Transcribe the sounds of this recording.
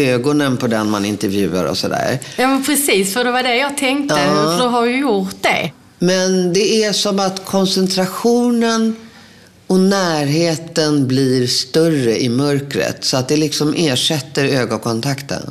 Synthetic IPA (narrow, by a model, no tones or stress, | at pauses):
øːɡɔnənpʰɔd̪ɛnmanɪnt̪ɛɾvjʉ̟̰ːa̰ɾɔ̰sɔd̪æ̰ːɾ | jɑːmɛnpʰɾɛsiːsfœd̪ɛvaɖɛjɑːɡ̚t̪ʰɛŋkt̪əd̪ɛɦaɾdjəjʊɾt̪̚d̪ɛ̰ | mɛnd̪ɛæʂɔmat̪kʰɔnsɛnt̪ʰɾaɧuːnən | ɔnæːɾɦeːt̪ənbliɾst̪œrəʔɪmœɾkɾə̰t̪sɔat̪̚d̪ɛlɪksɔmʔeːʂɛt̪ːəɾøːɡɔkʰɔnt̪ʰakt̪ə̰n